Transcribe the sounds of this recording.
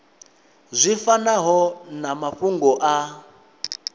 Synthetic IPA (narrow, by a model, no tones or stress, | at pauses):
zʷifanaɦɔnamaɸuŋɡɔʔa